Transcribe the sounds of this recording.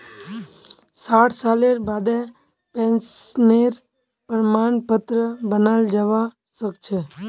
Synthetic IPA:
saːʈʰsaːleɾbaːd̪ɛ̃ | pɛ̃ːnsneːɾ | pəɾmaːnpət̪ɾəbənaːld͡ʒaʋa | səkt͡ʃʰeː

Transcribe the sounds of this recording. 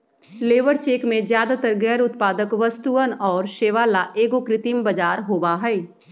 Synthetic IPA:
leːʋəɾt͡ʃeːkmẽzjaːd̪at̪əɾɡɛːɾʊt̪paːd̪əkʋəst̪uənɔːɾʃeːʋalaʔeːɡokɾɪt̪imbəd͡ʒaːɾɦoːbaɦɛː

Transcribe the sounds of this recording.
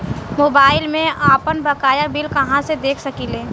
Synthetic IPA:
moːbaːɪlmẽaːpənbɐkaːjabɪlkɐɦãsed̪eːkʰsɐkileː

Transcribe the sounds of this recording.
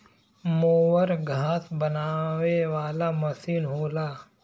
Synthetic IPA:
moːwəɾɡʱaːsbɐnaːʋeʋaːlamɐsiːnɦoːlaː

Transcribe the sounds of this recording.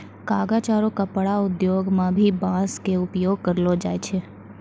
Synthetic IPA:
kaːɡat͡ʃaːɾõkapəɽaʊd̪joːɡmãbʱibãːskeʊpjoːɡ̚kɐɾlod͡ʒaːet͡ʃʰe

